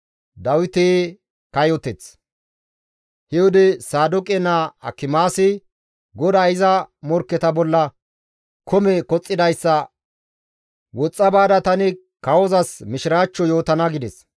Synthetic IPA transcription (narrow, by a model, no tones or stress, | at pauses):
d̪ɐwɪt̪eː | kɐjɔt̪ɛt͡s | hɛwʊd̪ɪsaːd̪ʊkʼɛnːaɐ̰kːɪmaːsɪ | ɡɔd̪aːɪzɐmɔɾkːɛt̪ɐbɔlːɐ | kʰɔmɛkɔt͡sʼːɪd̪ɐjsːɐ | wɔt͡sʼːɐbaːd̪ɐt̪ɐnɪ | kɐwɔzɐsmɪʃɪɾaːt͡ʃːɔjo̞ːt̪ɐnɐɡɪd̪ɛs